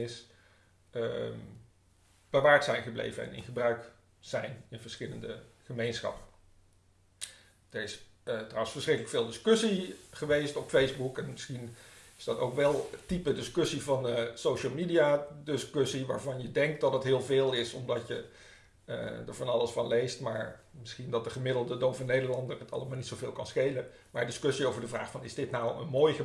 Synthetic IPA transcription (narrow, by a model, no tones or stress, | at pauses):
ɪs | əm | b̥əʋaːɹtsɛjnχəblḛjvənɛ̰nɪ̰nχəbrœɥk | z̥ɛjnɪnvəɹsχɪlə̰ndəχəmejnsχɑ̰pə | d̥əɹɪs | trɔwənsfəɹsrɪkələkfɪːlˠdɪskøsiχəʋejstɔpfejzbukɛnmɪsχinɪzdɑtowkʋɛlˠtipədɪskɵsivɑnsowʃəlˠmidijadɪskøsiʋa̰ːɹvɑnjədɛŋk̚t̚dɑtɑtɦɪːlˠvɪːlˠɪsɔmdɑtjə̰ | dəɹvɑnɑlˠəsfɑnlejstmaːɹ | mɪsχindɑt̚dəχəmɪdl̩ˠdədowvɑnejdəɹlɑndərətʰɑ̰lˠəmaːlˠnitsowvɪːlˠkɑnsχejlə | maːɹdɪskɵsiowvəɹdəvraːχfɑnɪzdɪtnawə̰nmoːjχə